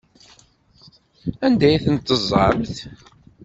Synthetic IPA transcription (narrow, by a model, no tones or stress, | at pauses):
ænd̪æjθənt̪ːəzˤɑ̰mθ